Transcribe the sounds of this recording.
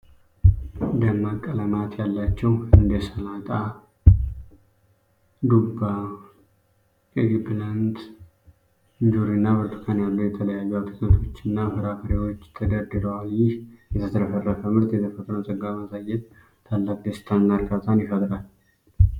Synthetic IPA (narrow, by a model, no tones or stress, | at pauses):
d̪əmːakʼːələmat̪ʰjalːat͡ʃːɛwɨnd̪esəlat̪ʼa | d̪uba | eɡipland̪ | ɲd͡ʒuɾinːawəɾt̪ʰu̥kʰanjalːojɛt̪ʰələjajːawt̪ʰɨkʼənt̪ʰo̞t͡ʃːɪnːafɨɾafəɾewo̞t͡ʃːt̪ʰəd̪əd̪ɨləwaljɪhjɛt̪ʰəsəɾəfərəfəmɨɾt̪jɛt̪ʰəfət̪ʼɾəsʼəɡamasajːɛt̪̚ | t̪ʰːalːakd̪est̪ʰannːaɾkat̪ʰʼanjɪfət̪ʼɾal